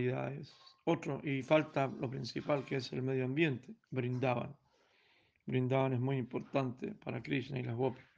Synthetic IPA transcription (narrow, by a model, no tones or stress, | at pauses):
iða̰ðesot̪ɾoʔifalt̪alopɾinsipalkeesḛlmeðjoambje̞nt̪ebɾind̪aβa̰n | bɾind̪aβanezmujimpoɾt̪ant̪ʰḛpaɾakɾiʃneilaɦɣop